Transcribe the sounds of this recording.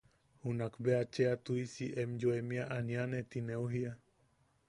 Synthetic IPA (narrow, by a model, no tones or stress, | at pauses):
hunakbeat͡ʃeat̪uisiʔɛmd͡ʒoemiaʔanianet̪ineuɦia